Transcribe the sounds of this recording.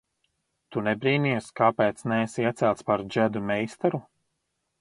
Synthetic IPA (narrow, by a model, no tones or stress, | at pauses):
t̪unɛbɾiːniɛskaːpɛːt̪snɛːsiɛt̪sɛlt̪spaɾd͡ʒæd̪umɛjst̪ɛɾu